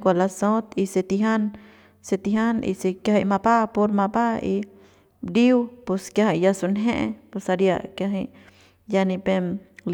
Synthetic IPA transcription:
kʷalasõ˦t̪i˧se˧t̪iɦa˦n | se˧t̪iɦa˦nḭ˧se˧kjaɦi˧ma˧pa˦po˧ɾma˧pa˦i | ɾiwpu˧skja˧ɦa˧ja˧su˧nɦẽ˦ʔpusa˧ɾja̰˧kja˧ɦi˧ | janĩ˧pe˧ml

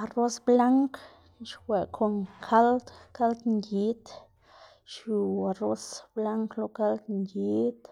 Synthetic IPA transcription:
a˨ro˦sbla˦ŋk | ʃwe˨kʰo˧ŋkʰa˦ld̪ka˦ld̪ŋɡi˦t̪ | ʃju˨a˨ro˦sbla˦ŋklo˧˦ka˦ld̪ŋɡi˦t̪

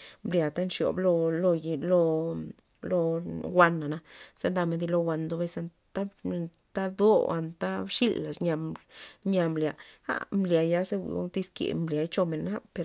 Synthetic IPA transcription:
mblja˨t̪a˦nʂjo̰˨blo˧lo˧jlo˧ | lo˧wʷa˧nːa˨na˧se˦nd̪a˧me˧nd̪i˧lo˧wʷa˧nd̪o˧be˧sa˧n | t̪a˦ | t̪a˦d̪o˦a̰˧nt̪a˦bʂi˦lːa˨ʂɲa˧ɲa˧mblʲa˨ha̰˦mblja˨ja˦se˦wʷḭ˨o̰˦nt̪i˦skḛ˨mblʲja˨˧jt͡ʃo˧me˨nːa˦pe˧ɾ

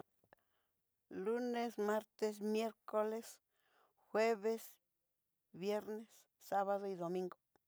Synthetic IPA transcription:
lu˦ne˦sma˦ɾt̪e˧s̬mje˦ɾko˦le˦s | xwe˦βe˦s | bje˦ɾne˦sː | a˦βa˦ðo˧id̪o˨mĩ˦ŋɡo˨

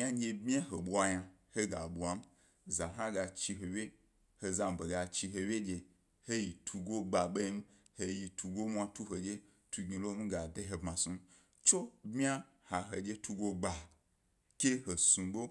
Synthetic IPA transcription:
ɲa˦ɲe˧bmʲ˦a˦ɦe˨ɓu˦a˧ɲa˧ | he˦ɡa˨ɓu˨a˨˦m̩˦ | za˨ɦã˦ɡa˧t͡ʃi˧ɦo˨wʲe˦ | he˧za˧m̩˨be˨ɡa˧t͡ʃi˧ɦe˧wʲje˦d͡ʒe˧ | he˦ji˨tʰu˧ɡo˦ɡ͡ba˨ɓe˦i˦m̩˦ | he˧ji˧tʰu˧ɡo˦mʷ˦a˧tu˦ɦo˨d͡ʒe˦ | tu˧ɡi˧lo˦m̩˦ɡa˨de˧ɦe˧bmã˨su˧˦ | t͡ʃo˦bmi˦a˦ | ha˨ɦe˨d͡ʒe˦tʰu˧ɡo˦ɡ͡ba˨ | kʲe˦ɦo˨sũ˨ɡ͡bo˦

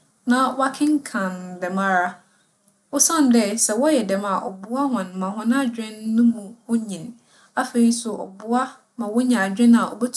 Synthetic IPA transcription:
nã˨wa˦kʰɪ̃˦ŋ˦kʰã˨ndɛ˨mã˦ɾa˦ | ɔ˦sã˦˨n˨dɛ˦sɛ˨wɔ˦jɛ˨dɛ˨ma˨ʔɔ̰˨bʊ˦a˦hɔ̃˨n˨mã˨ɦɔ̃˦nã˦d͡ʑᶣɪ̃˦nː˦ʊ̃˦mũ˨wɔ˦ɲĩ˨n | a˦fe˨ɾi˦sʊ˨ʔɔ̰˨bʊ˦a˦ | mã˨wɔ˦ɲã˨d͡ʑᶣɪ̃˦na˨ɔ̰˨bɛ˦tʰ

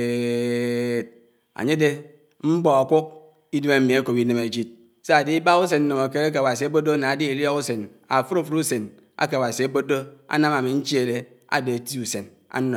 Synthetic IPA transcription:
t̚ | a̰˨ɲe˦de˦ | m̩˦bɔ˨a˨kʷu˦k̚ | i˦dme˦m̩˦mi˨e˦ko˨pi˦ne˨me˨d͡ʒi˦t̚ | se˦a˨di˦i˦ba˦u˦s̬e˨nn̩˦no˨ma˨ke˦ɾe˦k̬e˨ba˨s̬i˨a˦bo˦do˦na˨a˨di˦i˨lɔ˦ku˦se˨n | a˨fu˦ɾo˦˨fu˦ɾu˦se˨n | a̰˦ke˨ba˨si˨a˦bo˦do˦a̰˦na˦ma˨mi˨n̩˦t͡ʃi˦e˦˨le˦a̰˨de˨a˨ti˦u˨se˨n | a̰˦o˨

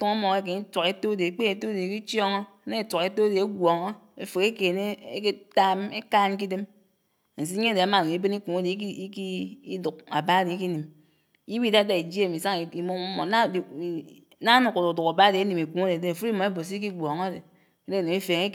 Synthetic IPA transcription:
tu˦ŋa˦mo˨e˦k̬e˨ni˦to˨ke˦to˦de˨˦k͡pe˦e˨to˦de˨ki˦t͡ʃjɔ˦ŋo˦ne˦tʷa˨ke˨to˦de˨e˦ɡʷo˨ŋo˦ | e˨fu˨ke˦ke˨ne˦e˦ke˦ta˦m˦e˦kaː˦n˦k̬i˦de˦m | n̩˨s̬i˦ɲe˦de˨a˨˦ma˨no˨i˦be˦ni˦ku˨ŋ˦de˨˦i˦ki˦i˦du˨k̚a̰˨ba˦di˨˦k̬i˦ni˨m | i˦wi˦˨da˦da˨i˨d͡ʒe˦˨mi˨sa˦ŋi˨i˨mo˦mo˨˦na˦˨˦ | na˦nu˨ku˨du˨du˨ka˨ba˦di˨e˦ni˨me˨ku˨˦e˦de˨de˦˨fu˦i˦mɔ˨˦e˦bo˨s̬i˦k̬i˦ɡʷo˨ŋ˦de˨ | e˦de˦˨no˨i˦fe˨ŋe˦

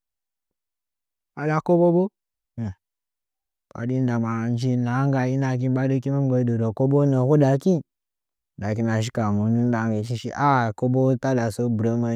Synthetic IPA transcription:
a˨la˨ko˦bo˦bo˦˨ | ɓa̰˨di˦n˦da˨ma˨n˦d͡ʒi˦na˨˦ŋɡa˨ji˦na˨k̬i˦ɓa˦do˦ki˦ma˦m˦ɡo˧˦do˨do˨ko˦bo˦no˨ku˦da˨ki˦˨ | da˨k̬i˦na˨ʃ̬i˦ka˨mu˨˦nu˦n˦da˨ŋ˦ɡe˨˦ʃi˦ʃḭ˦ʔa˦˨ko˦bo˦ta˦da˨so˦bɾo˦ma˨

